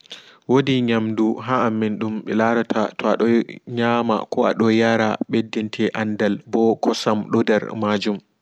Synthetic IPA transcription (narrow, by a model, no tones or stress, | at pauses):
wodiɲamduɦaːmːɛnɗumɓɛlaɾatatɔa̰ɗɔɲaːma̰kɔa̰ɗɔjaɾa̰ɓedːintʰɛʔandalbɔkɔsamɗɔdɛɾmad͡ʒum